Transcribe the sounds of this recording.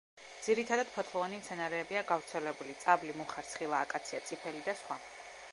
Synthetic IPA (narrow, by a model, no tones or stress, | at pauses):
d̪z̥iɾit̪ʰad̪ad̪̥pʰɔt̪ʰlˠɔvanimt̪sʰɛnaɾɛːbiaɡavɾt̪sʰɛlɛbulit̪sʼablimuχaɾt̪sʰχilˠaːkʼat̪sʰiat̪sʼipʰɛlid̪asχwa